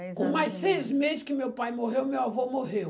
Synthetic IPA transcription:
kõmajssejzɪzmezɪskɪmewpajmoɦewmewavɔmoɦew

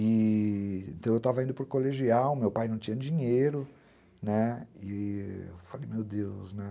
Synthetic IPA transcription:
ɪ | ẽnt̪ɐ̃w̃ewt̪avɐĩd̪ʊpoɾkoleʒiawmewpajnɐ̃w̃t͡ʃĩɲ̃ɐd͡ʒĩɲejɾʊ | nɛɪḛfalejmewd̪ewsnɛ

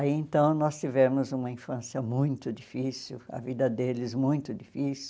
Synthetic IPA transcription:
aiẽnt̪ɐ̃w̃nɔst͡ʃivɛɾmʊzũmɐĩfɐ̃siɐmũj̃t̪ʊd͡ʒifisiwɐ̰vid̪ɐd̪elɪzmũj̃t̪ʊd͡ʒifisu

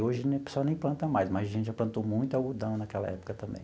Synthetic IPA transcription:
oʒɪnpe̥swawnẽj̃plɐ̃nt̪ɐmajsmajzɐʒẽtt͡ʃɪʒaplɐ̃nt̪omũj̃t̪ʊawɡud̪ɐ̃w̃nɐkɛlɐ̰ɛpʊ̥kɐt̪ɐ̃mbḛ̃j̃

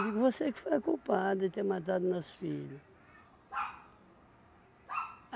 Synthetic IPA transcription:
d̪ikɪvosekfajkupad̪ʊit̪emat̪̬ad̪unɐsfilɐ

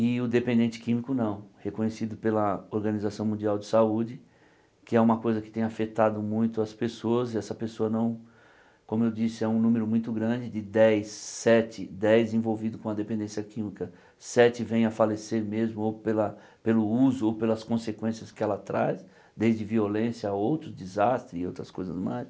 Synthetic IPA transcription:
ɪʊd̪epẽnd̪ẽnt͡ʃɪ̥kĩmikʊnɐ̃w̃hekõɲesid̪ʊpelɐoɾɡɐ̃nizasɐ̃w̃mũnd͡ʒiawd͡ʒɪsaud͡ʒɪ | kɪɛũmɐkojzɐkɪ̥t̪ẽj̃afet̪ad̪ʊmũj̃t̪ʊɐspesoɐzɛsɐpesoɐnɐ̃w̃ | kõmʊewd͡ʒisɪɛũnũmeɾʊmũj̃t̪ʊɡɾɐ̃d͡ʒɪd͡ʒɪd̪ɛjsːɛt͡ʃɪd̪ɛjzẽvowvid̪ʊkõɐd̪epẽnd̪ẽsiɐkĩmikɐ | sɛt͡ʃɪvẽj̃ɐfaleseɾmezmʊopelɐ | pelʊuzʊowpelɐskõsekwẽsjɐskɪɛlɐt̪ɾas | d̪ejzd͡ʒɪviolẽsjɐaowt̪ɾʊd̪ɪzast̪ɾɪzɪowt̪ɾɐskojzɐ̰zmajs

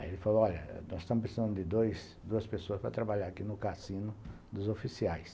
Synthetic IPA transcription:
a̰elɪfaloɔʎɐ̰nɔzɪst̪ɐ̃mʊpɾesizɐ̃nd̪ʊd̪ɪd̪ojs | d̪uɐspesoɐspɾɐt̪ɾabaʎaɾakinʊkasĩnʊ | d̪ʊzofisiajs

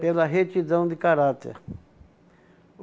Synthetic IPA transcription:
pelɐɦet͡ʃ̪id̪ɐ̃w̃d̪ɪkaɾat̪ḛɾ

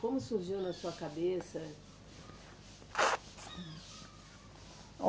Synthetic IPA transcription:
kõmʊsuɾʒiwnɐsuɐkabesɐ

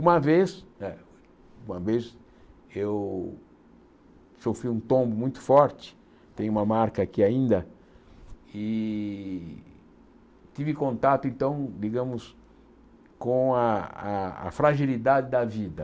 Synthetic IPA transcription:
ũmɐvesɛ | ũmɐves | ew | sofɾiũt̪õmbʊmũj̃t̪ʊ̥fɔɾt͡ʃɪ̥ | t̪ẽj̃ʊumɐmaɾkɐaːkiaĩnd̪ɐ | ɪ | t̪ivɪkõnt̪at̪ʊẽnt̪ɐ̃w̃d̪iɡɐ̃mʊs | kõaaa̰fɾaʒilid̪ad̪ɪd̪ɐvid̪ɐ

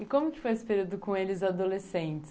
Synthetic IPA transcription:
ɪkõmʊkɪ̥fojesɪ̥peɾiwd̪ʊkõelɪzad̪olesẽnt͡ʃɪ̥

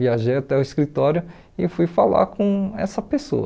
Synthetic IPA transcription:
iaʒejat̪ɛʊɪskɾit̪ɔɾjʊ | ɪfujfala̰kõɛ̰sɐpeso̰

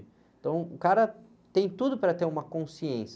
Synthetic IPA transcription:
t̪ɐ̃w̃ʊkaɾɐ | t̪ẽj̃t̪ud̪ʊpɾɐt̪eɾũmɐkõsiẽs

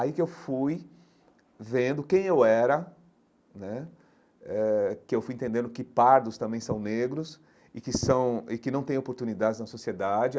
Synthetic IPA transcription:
aikɪewfuj | vẽnd̪ʊkẽj̃ewɛɾɐ | nɛ | ɛkɪewfujẽnt̪ẽnd̪ẽnd̪ʊkɪpaɾd̪ʊst̪ɐ̃mbẽj̃sɐ̃w̃neɡɾʊs | ɪkɪsɐ̃w̃ɪkɪnɐ̃w̃t̪ẽj̃opoɾt̪unid̪ad͡ʒɪznɐsosied̪ad͡ʒɪ

